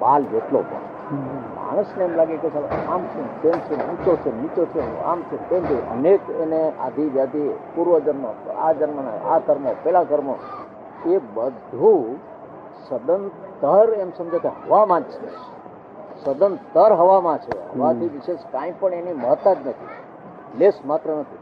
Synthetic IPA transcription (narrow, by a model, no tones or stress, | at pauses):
bald͡ʒeʈlo̰pə̰̃ | ma̰ɽ̃əsneemlaɡeket͡ʃʰalamsũt̪emsuənt͡ʃot͡ʃʰenit͡ʃot͡ʃʰḛa̰mt͡ʃʰet̪emd̪eə̰nekenea̰d̪ʱiʋjad̪ipuɾʋəd͡ʒənmo̰a̰d͡ʒənmana̰ak̪əɾmopɛlakəɾmo̰ | ebəd̪ʱu | səd̪ənt̪əɾemsəmd͡ʒokeɦəʋamãd͡ʒt͡ʃʰḛ | səd̪ənt̪əɾɦəʋamãt͡ʃʰḛɦəʋat̪ʰiʋɪʃeʃkãĩpəɳeniməɦət̪ːad͡ʒnət̪ʰḭ | lesmat̪ɾənət̪ʰi